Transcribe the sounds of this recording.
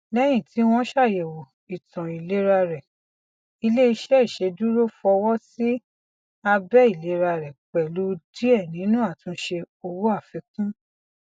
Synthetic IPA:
lɛ˦j̃ĩ˦˨ti˨˦w̃ɔ̃˧˦ʃa˦˨je˨wo˨ | i˨tɔ̃˨i˨le˨˦ɾa˧ɾɛ˨ | i˧le˦i˧ʃɛ˦i˦˨ʃe˧du˦ɾo˦fɔ˧wɔ˦si˦ | a˧bɛ˦i˦˨le˨˦ɾa˧ɾɛ˨k͡pɛ˨lo˨˦di˦ɛ˦˨nĩ˨˦nũ˦a˦˨tũ˧˦ʃe˧ | o˧wu˦a˦˨fi˨˦kũ˦

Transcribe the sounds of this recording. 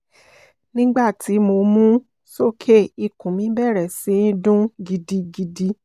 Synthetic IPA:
nĩ˦ɡ͡ba˦˨ti˨˦mo˧mũ˦ | so˦˨kʰe˦˨i˧kũ˨mĩ˨˦bɛ˦˨ɾɛ˨sĩ˧˦dũ˦ɡi˧di˧ɡi˧di˧

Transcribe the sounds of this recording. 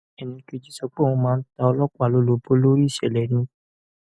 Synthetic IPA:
ɛ˨nĩ˧ki˧˨d͡ʒi˦sɔ˧k͡pe˦˨ɔ̃˧mãː˦˧n̩˦ta˧ɔ˧lɔ˦ka˨lo˦lo˨˦bo˦lo˦ɾi˦˨ʃɛ˨lɛ˨nĩ˨˧

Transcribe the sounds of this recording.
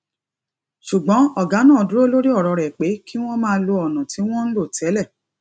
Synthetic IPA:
ʃu˨ɡ͡bɔ̃˨˦ɔ˦˨ɡa˨˦nãː˦˨du˦ɾo˦lo˦ɾi˦ɔ˦˨ɾɔ˧ɾɛ˨k͡pe˨˦ki˦w̃ɔ̃˦mãː˦˧˦lo˧ɔ˨nũ˨ti˨˦w̃ɔ̃˦n̩˦lo˦˨tʰɛ˨˦lɛ˦˨

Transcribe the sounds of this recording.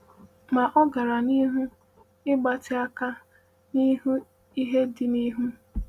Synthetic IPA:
ma˨ʔɔ˦ɡa˨ɾa˨ni˦ɦu˦ | ɪ˦ɡ͡ba˨tɪ˨a˦ka˦ | ni˦ɦu˦ | i˦ɦe˦dɪ˨ni˦ɦu˦

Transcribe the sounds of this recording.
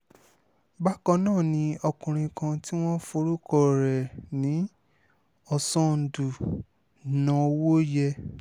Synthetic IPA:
ba˦kɔ̃˧nãː˦˨nĩ˧˦ɔ˧kũ˨ɾ̃ĩ˧kã˧ti˦w̃ɔ̃˦fo˧ɾu˦kɔ˦˨ɾɛ˨nĩ˨˦ | ɔ˧sɔ̃˦n̩˨du˨ | nã˧o˧wo˦jɛ˧

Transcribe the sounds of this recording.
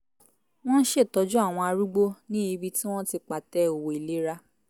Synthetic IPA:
w̃ɔ̃˦n̩˦ʃe˦˨tɔ˨˧˦d͡ʒu˦a˦˨w̃ɔ̃˧a˧ɾu˦ɡ͡bo˦nĩ˦i˧bi˧ti˦w̃ɔ̃˦ti˧k͡pa˨tɛ˧˦o˨wo˨i˨le˨˦ɾa˧

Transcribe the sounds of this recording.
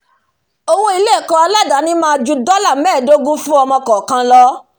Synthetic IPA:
o˧wõ˧i˧le˦˨kɔ̃˧˦a˧la˦˨da˨˦nĩ˦mãː˦˧d͡ʒu˧dɔ˦la˦˨mɛ̃ː˦˨do˦ɡũ˦fũ˦ɔ˧mɔ̃˧kɔ˨kã˧lɔ˧˦

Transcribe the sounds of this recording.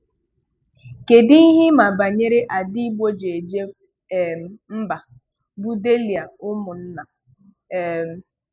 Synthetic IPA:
ke˨dɪ˦i˦ɦɪ˦ma˨ba˨ɲe˦ɾe˦ʔa˨di˦bo˦d͡ʒe˨e˨d͡ʒe˦˨ | m̩˦ba˨ | bu˦de˦li˨a˨ʊ˦mʊ˨n̩˦na˨

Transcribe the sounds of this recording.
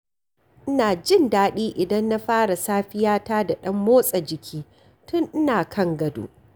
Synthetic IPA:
ʔɪ˦naː˨d͡ʒɪ˦ndaː˦ɗiː˦ʔɪ˨dɐ˦nːa˦ɸaː˦ɽa˨saː˦ɸɪ˦jaː˦taː˦da˨ɗɐ˦mːoː˦sʼɐ˨d͡ʒɪ˨kʲʰiː˦ | tʊ˦ŋʔɪ˦naː˨kʰɐ˦ŋɡɐ˨dṵː˦

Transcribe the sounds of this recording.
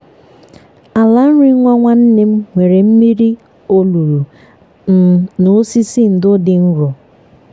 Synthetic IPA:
a˨la˨n̩˦ɾi˦ŋʷa˦ŋʷa˦n̩˦ne˦m̩˦ŋʷe˨ɾe˨m̩˦mi˦ɾi˦ | o˦lu˨ɾu˨˦ | nʊ˨˦si˦si˦n̩˨dʊ˦dɪ˨n̩˦ɾʊ˨

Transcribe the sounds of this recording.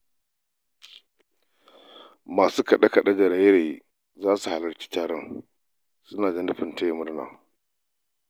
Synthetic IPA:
maː˨suː˦kɐ˨ɗa˦kɐ˨ɗɐ˦d͡ʒɐ˨ɾa˦jɾe˨ | zaː˦su˨ha˨lɐ˨ɾkʲi̥ː˦taː˨ɽɔ˦ŋ | sʊ˦naː˨d͡ʒɐ˦nʊ˦ɸɪ˨nta˦jmʊ˦ɽna̰ː˨

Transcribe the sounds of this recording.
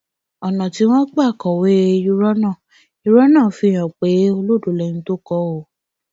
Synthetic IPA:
ɔ˨nã˨ti˨˦w̃ɔ̃˦k͡pa˦˨kɔ˨we˦˧˦ju˦ɾɔ˦nã˦˨ | u˦˧˦ɾɔ˦nã˦˨fi˧˦j̃ã˨k͡pe˨˦o˧lo˦do˨lɛ̃˨ĩ˧˦to˦kɔ˦o˨

